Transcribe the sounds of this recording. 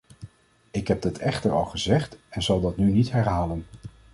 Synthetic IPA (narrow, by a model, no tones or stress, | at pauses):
ɪkɦɛb̚dɑtɛχtəɹɑlˠχəzɛχtɛnzɑlˠdɑtnynitɦɛɹɦaːlən